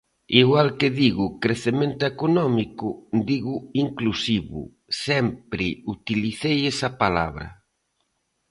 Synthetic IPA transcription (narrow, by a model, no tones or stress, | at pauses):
iɣwalkɪðiɣʊkɾeθemẽnt̪ʊekonɔmikʊd̪iɣʊiŋklusiβʊ̰ | sɛmpɾɪut̪iliθejesɐpala̰βɾɐ̰